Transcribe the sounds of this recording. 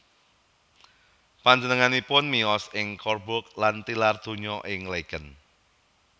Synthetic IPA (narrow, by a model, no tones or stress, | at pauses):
paɲd͡ʒənəŋanipʊnmiɔsɪŋkɔrbʊk̚lant̪ilard̪̥o̤ɲɔʔɪŋleɡ̥ən